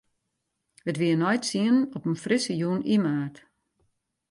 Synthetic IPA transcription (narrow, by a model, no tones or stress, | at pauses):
ʋətʋiənɔjtsiənɔpənfrɪsəjuːnimaːrt